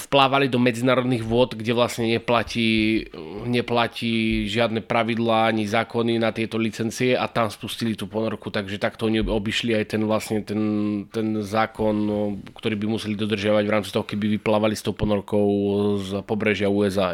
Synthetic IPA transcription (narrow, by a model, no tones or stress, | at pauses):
fplaːʋalid̪ɔmɛd͡zinaːɾɔd̪niɣʋʊɔd̪ɡɟɛʋlasɲɛɲɛplaciː | ɲɛplaciːʒɪad̪nɛpɾaʋid̪laːaɲizaːkɔninat̪ɪɛt̪ɔlit͡sɛnt͡siɛʔat̪amspuscilit̪uːpɔnɔɾkut̪aɡʒɛt̪akt̪ɔɔɲiɔbiʃliajt̪ɛnʋlasɲɛt̪ɛnt̪ɛnzaːkɔnkt̪ɔɾiːbimusɛlid̪ɔd̪r̩ʒɪaʋaɟvɾaːmt͡sit̪ɔɦɔkɛbiʋiplaːʋalist̪ɔʊpɔnɔɾɔkɔʊzpɔbɾɛʒɪauɛza